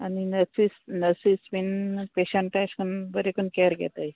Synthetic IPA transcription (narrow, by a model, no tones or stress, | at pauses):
aninəɾsisnəɾsisʋinpeɕəɳʈːajskənbəɾekunkɛɾɡʱɛ̰t̪aj